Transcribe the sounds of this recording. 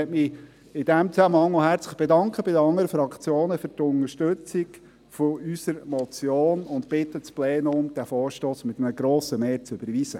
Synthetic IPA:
ɛtmɪ | ɪd̥̪æmt͡sæməɑŋmoɦæɾt͡sləɪχb̥ɛdɑŋkχəbɪd̪əɑŋːəɾəfɾɑkt͡sjoːnəfʏɾtʊnəʃtʏt͡sɪɡ | foysəɾmɔt͡sjoːnʊntpɪt̪ːət͡splɛːnʊmd̥̪æfɔːɾʃtoːsmɪt̪mnəɡ̥ɾoːsəmeːɾt͡sʏb̥əɾʋizə

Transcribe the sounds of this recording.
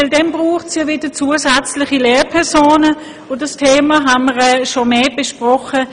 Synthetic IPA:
ɪldɛmbʁuːχtsjavɪd̥ət͡suːəsɛt͡slɪχileːpʰɛʁsoːnə | odastʰeːmaɦanməʁɛʃomeːb̥eʃpʁɔχə

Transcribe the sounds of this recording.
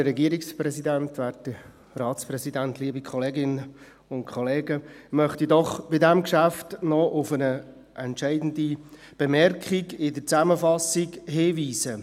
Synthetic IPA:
ərɛɡiːəɾiksprɛsidæntʋæːrtə | rɑːtsprɛsidæntliəbikʰχɔleːɡɪnə | ʊntkʰχɔleːɡəmœχtidɔχb̥ɪdæmkʃæftnɔʔʊfənə | ʔɛntʃɛɪdn̩di | b̥ɛmɛrkχiɡɪdət͡sæməfɑsiɡheːʋiːsə

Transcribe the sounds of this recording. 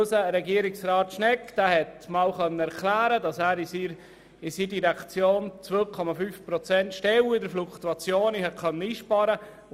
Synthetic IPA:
səɾɛɡiəɾɪksrɑːt̪ʃnɛkd̥æːhɛtmɑwχœnːəɛɾkʰlæːɾədɑsæːɾisi | ɪsiːdiɾɛkt͡sjoːnt͡sʋøːkʰɔmɑfyfpɾɔt͡sɛntʃtɛwɪdəɾflukt̪uɑt͡sjoːnihɛt̚kʰœnːəiːʃpɑɾə

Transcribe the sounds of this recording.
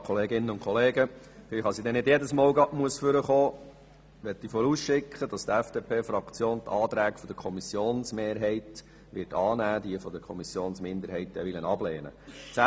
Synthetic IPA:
kʰɔleːɡɪnːənʊnkʰχɔleːɡə | fɪlχɑsid̪ɛnɪdjɛdəsmɑːlɡɑʔmuəsfʏɾəχoː | ʋɛt̪ːifɔɾusʃɪkχəd̥ɑst̪ɛfd̥epʰeːfɾɑkt͡sjoːnt̪ʰɑːt̪ɾæːkfɔd̥̪əkʰɔmisjoːnsmeːɾɦɛɪt̪ | ʋɪɾtɑːnæːd̪iəfɔd̪əkʰɔmisjoːnsmɪnd̪əɾɦɛɪt̪ːɛ̰ʋɪlənɑbleːnə̰t͡sæ

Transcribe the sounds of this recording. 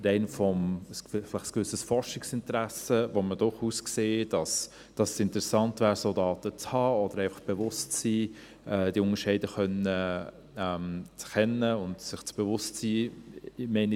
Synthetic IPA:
ɾɛɪnfɔməsflɪχskʋʏsəsfɔɾʃɪksɪntəɾæsəvomədʊɾχuːskseːd̥ɑs | d̥ɑssɪntəɾɛsɑntvæːɾsoːdɑːtət͡shɑːɔd̥əɾæɪfɑ̥χb̥evʊstt͡siː | ɛd̥iʊnəʃɛɪdəχœnə | ɛmt͡skɛnəʊndsɪχt͡sb̥evʊstsiː | mɛɪn

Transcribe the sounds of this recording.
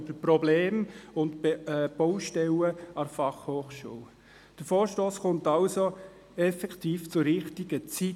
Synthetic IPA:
bəpɾɔbleːmʊntːb̥ɔwʃtɛləɑɾfɑχhoːχʃṵːl | d̥əɾfoːɾʃtoːsχʊntɑlso | ɛfɛkχtiːft͡sʊɾɾɪχtiɡət͡si

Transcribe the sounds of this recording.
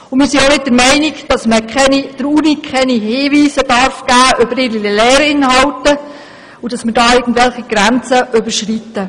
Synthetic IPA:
ʊmɪɾsionɪt̚d̥əɾmɛɪnɪkd̥ɑsməkɛnid̥əɾuːnikʰχɛniɦɪːʋiːsəd̥ɑɾfɡ̥æːʔʏbəɾɪilɛːɾɪnhɑwtə | udɑsmɪɾdɑːɪɡ̥ən̩dʋɛlχiɡ̥ɾænt͡səʔʏbəɾʃritːə

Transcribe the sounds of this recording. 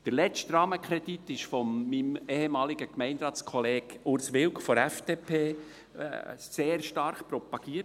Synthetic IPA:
d̥əɾlɛt͡ʃtrɑːməkʰɾɛd̥itːɪʃfɔmːimeːhemɑːliɡ̥əkmɛɪndɾɑːt͡skʰɔleːɡʊɾsʋɪlkfɔɾɛfd̥eːpʰḛː | seːɾʃtɑɾχpɾɔpɑɡ̥iːə

